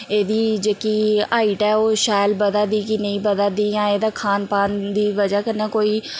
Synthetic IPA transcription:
eːd̪iːd͡ʒeːkiːaːiːʈɛːoːʃaːlbəd̪ad̪iːkɪnə̃ĩːbəd̪aːd̪iːjãːeːd̪aːkʰaːnpaːnd̪iːʋəd͡ʒaːkənːaːkoːiː

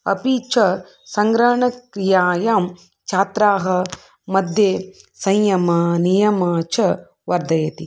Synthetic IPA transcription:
ɐ̰pit͡ʃɐ | sɐŋɡɾɐːɳɐkɾijaːjaːm | t͡ʃʰaːt̪ɾaːɦɐ | mɐd̪ʱjeːsɐjjɐmɐnijɐmɐt͡ʃʰɐ | ʋɐɾd̪ɐjɐt̪i

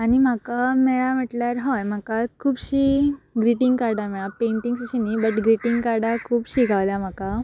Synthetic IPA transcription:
añim̤akamɛɭam̤əʈljaɾɦɔjm̤akakʰuːbɕiɡɾiʈiŋɡkaɾɖamɛɭapeɳʈiŋɡsəɕinibəʈɡɾiʈiŋɡkaɾɖakʰuːbɕiɡʱaʋlam̤aka

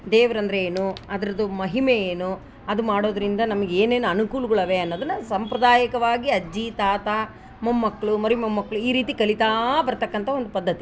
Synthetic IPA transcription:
d̪eːʋɐɾɐnd̪ɐɾeeːnuɐd̪ɐɾɐd̪umɐɦimeeːnu | ɐd̪umaːɽo̞ːd̪ɐɾind̪ɐnɐmɐɡeeːneːnuɐnukuːlɐɡɐɭɐʋeɐnːoːd̪ɐnːɐsɐmpɾɐd̪aːjɐkɐʋaːɡiɐd͡ʒːit̪aːt̪a | mɐmːɐkːɐɭumɐɾimɐmːɐkːɐɭuiːɾiːt̪ikɐlit̪aːbɐɾt̪ɐkːɐnt̪ʰɐond̪upɐd̪ʱːɐt̪i

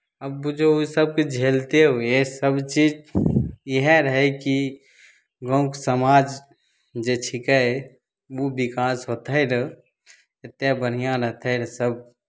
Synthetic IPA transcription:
əbːud͡ʒousəb̚ked͡ʒʱeːlt̪eɦoesəbt͡ʃiːd͡ʒ | əɦɛɾəɦɛki | ɡə̃ʊ̃ksəmaːd͡ʒ | d͡ʒet͡ʃʰikɛ | ubɪkaːsɦoːt̪ʰəjɾ | et̪ebəɽ̤ijãɾəɦt̪ʰəɾsəb̚

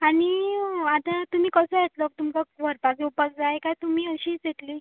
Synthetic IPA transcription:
aɽ̃iat̪at̪um̤iːkəsəjet̪ləːk̚t̪umkaʋʱəɾpad͡zeupək̚d͡zaekajt̪um̤iːəɕiːt͡set̪li

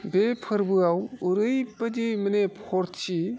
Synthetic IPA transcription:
bepʰɯɾbɯawuɾɯjpɐd͡ʒijmɐnepʰoɾt͡ʃi

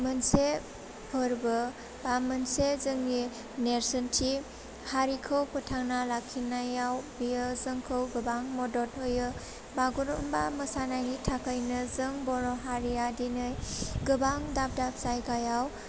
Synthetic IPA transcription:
mɯnse | pʰɔɾbɯ | bamɯnsezɯŋːi | neɾsɯntʰi | haɾikʰɯwpʰɔtʰaŋnalakʰːinajawbijɯzɯŋkʰɯwɡɯbaŋmɔdɔt̚hɯjɯ | baɡuɾumbaməsanaɦitʰakʰajnɯzɯŋbɔɾɔɦaɾijadinɯjɡɯbaŋdap̚dap̚sajɡajaw

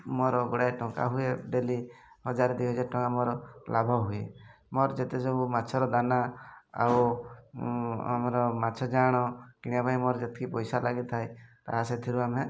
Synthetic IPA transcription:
mɔɾɔɡɔɽajʈɔŋka̰ɦueɖelihɔd͡ʒaɾɔd̪iɦɔd͡ʒaʈɔŋkamɔɾɔlabʱɔɦuḛ | mɔɾd͡ʒet̪ed͡ʒobumat͡ʃʰɔɾɔd̪anaa̰w | a̰mɔɾɔmat͡ʃʰɔd͡ʒaɽ̃ɔkiɽiapaĩmɔɾd͡ʒet̪ʰkʰipɔjsalaɡit̪ʰajt̪a̰ɦaset̪ʰiɾuame

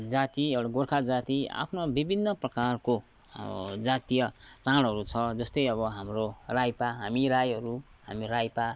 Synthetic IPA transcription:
d͡zat̪iewɽaɡorkʰad͡zat̪ia̰pʰnobibʱinːʌprʌkarko | d͡zat̪ijʌt͡saɽɦʌɾut͡sʰʌd͡zʌst̪ʌjʌβʌɦamrorajpaɦamiɾajɦʌɾu | hamirajpa

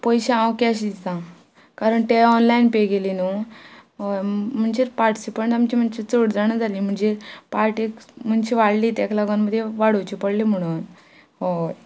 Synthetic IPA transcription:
pɔjɕaãwkɛɕd̪it̪ã | kaɾəɳt̪eɔnlainpeɡelinuɦom̤əɳd͡ʑeːɾpaɾʈi̥sipəɳʈamt͡ɕim̤əɳt͡ɕit͡soɽd͡zaɳəd͡zʱaliːm̤əɳd͡ʑepaɾʈikm̤əɳt͡ɕiʋaɽliːt̪aklaɡənməd̪ʱːjeʋaɽ̤owt͡ɕipəɽlim̤əɽ̃uːn | ɦo

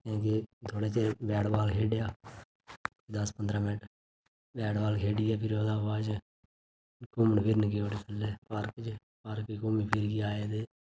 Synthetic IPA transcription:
kẽːket̪ʰoːɽeːt͡ʃeːbɛːɽbaːlkʰeːɖjaː | d̪əspənd̪ɾaːmɪnʈ | bɛːɽbaːlkʰeːɽiːɛːpʰɪɾoːd̪aːʋaːd͡ʒ | kʊməɳpʰɪɾnək̬eːoːʈeːt̪ʰəlɛːpaɾkt͡ʃ | pəɾkikoːmiːpʰɪɾɡiaːeːd̪eː

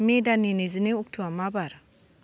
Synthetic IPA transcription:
medaninezineuk̚tʰuamabaɾ

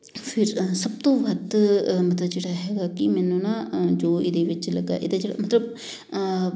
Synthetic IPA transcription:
pʰɪɾsəb̚t̪õːʋəd̪mət̪ləbd͡ʒeːɽaːɦɛːɡaːkɪmɛːnũːnãːd͡ʒoːɪd̪eːʋɪt͡ʃləɡa̰ːʔɪd̪ed͡ʒeːɽa̰ːmət̪ləb̚

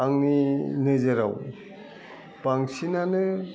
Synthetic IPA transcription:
aŋninɯzeɾa̰w | b̥aŋsinanɯ

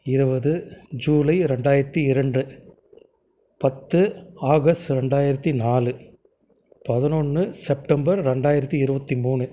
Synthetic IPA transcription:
ɪɾɯbɐðɯd͡ʒuːlɐɪɾɛɳɖaːjɪɾɐt̪ːiɪɾɐɳɖɯ | pɐt̪ːɯaːɣɐsʈ̪ɾɛɳɖaːjɪɾɐt̪ːinaːlɯ | pɐðɪnɔɳːɯsɛp̚ʈɐmbɐɾːɛɳɖaːjɪɾɐt̪ːiɪɾɯbɐt̪ːimuːɳɯ

